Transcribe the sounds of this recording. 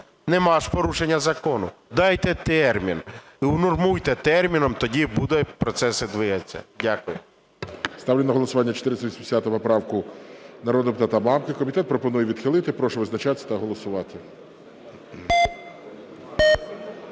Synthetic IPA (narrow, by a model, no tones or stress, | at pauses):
nɛmɑʃpɔɾuʃenʲːɐzɐkɔnʊd̪ɑjt̪ɛt̪ɛrmʲḭn | iunɔrmujt̪ɛt̪ɛrmʲinɔmt̪ɔdʲibud̪ɛpɾɔt̪sɛsɪd̪ʋɪɦɐt͡sʲːɐ̰dʲakʊjʊ | st̪ɑwlʲɪnʲnɐɦɔlˠɔsʊʋɑnʲːɐt͡ʃɔ̥t̪ɪɾɪst̪ɐʋʲisʲmʲɪsʲat̪ʊpɔpɾɑwkʊnɐɾɔd̪nd̪pʊt̪ɑt̪ɐmɑmkɪkɔmʲit̪ɛt̪̚pɾɔpɔnujɛʋʲid̪xɪlˠɪt̪ɪpɾɔʃɛʋɪznɐt͡ʃat̪sʲɐt̪ɐɦɔlˠɔsʊʋɑt̪ɪ